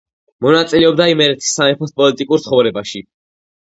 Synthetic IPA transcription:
mɔnat̪sʼilɛɔbd̪aimɛɾɛt̪ʰi̥sːanɛpʰɔspʼɔlit̪ʼikʼuɾt̪sʰχɔvɾɛbaʃi

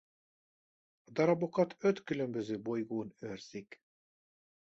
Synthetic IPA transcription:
d̪ɒɾɒbokɒt̪ʰøt̪kylømbøzøːbojɡoːnøɾz̥ik

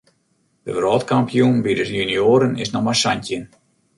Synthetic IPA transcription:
d̥əvrɔːtkampijunʋidəsjynjoːɾənɪsnɔmasantjən

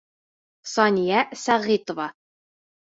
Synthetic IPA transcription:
sɒnʲijæsæʁit̪ŏvɑ

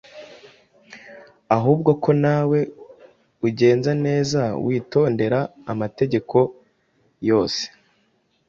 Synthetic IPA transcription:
aɦuːb̚ɡo̞kʰo̞nawe̞ | uɟe̞ːnzane̞ːzawiːto̞ːnde̞ɾaːmate̞ɟe̞kʰo̞ | jo̞ːse̥

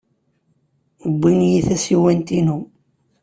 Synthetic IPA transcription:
bːinjiθæsiwænt̪inu

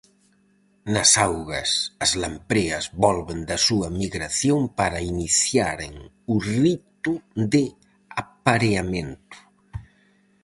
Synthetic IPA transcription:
nasawɣɐ̰sazlampɾeazβɔlβend̪asuɐmiɣɾaθjompaɾainiθjaɾeŋ | urit̪uðe | apaɾeament̪u̥

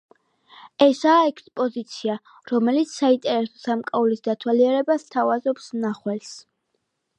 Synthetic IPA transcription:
ɛsaːɛkʰspʼɔzit̪sʰia | ɾɔmɛlit̪sʰsaint̪ʼɛɾɛsɔ̥samkʼaulisd̪at̪ʰwaliɛɾɛbast̪ʰavazɔpsnaχwɛls

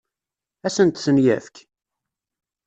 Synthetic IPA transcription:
æsənt̪sənjæ̰fk

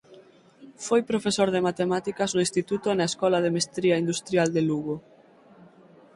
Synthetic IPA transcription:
fojpɾofesoɾðemat̪emat̪ikɐznoʊĩst̪it̪ut̪oenaeskɔlaðemest̪ɾiaind̪ust̪ɾjald̪eluɣo

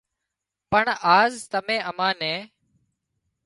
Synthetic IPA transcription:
pəɳaːzt̪əmẽːʔəmãːnẽː

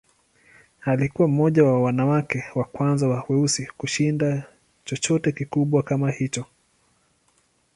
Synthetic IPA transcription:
alikuwam̩mɔʄawawanawakɛwakwanzawawɛusikuʃinda | t͡ʃɔt͡ʃɔtɛkikuɓwakamahit͡ʃɔ

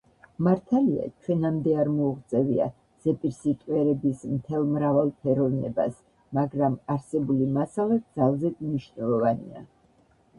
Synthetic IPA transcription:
maɾt̪ʰalia̰t͡ʃʰwɛnamd̪ɛaɾmɔuʁt̪sʼɛvia̰ | z̥ɛpʼiɾsit̪ʼwɛɾɛbismt̪ʰɛlˠmɾavalˠpʰɛɾɔvnɛba̰s | maɡɾamaɾsɛbulimasalɛt̪̚d̪zalˠzɛd̪mniʃnɛlˠɔvanḭa̰

